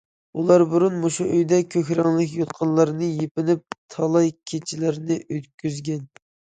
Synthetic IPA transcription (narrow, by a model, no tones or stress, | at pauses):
ulˠɑɾbɨɾunmoʃuʔøjd̪ɛkʲʰøkʲɾɑŋlˠɪkʲjot̪̚qʰɑnlˠɑɾnɨjepɪnɪp̚t̪ʰɑlˠɑjkʲʰet͡ʃʰilɪɾnɪʔøt̪kʲyzɡʲɛn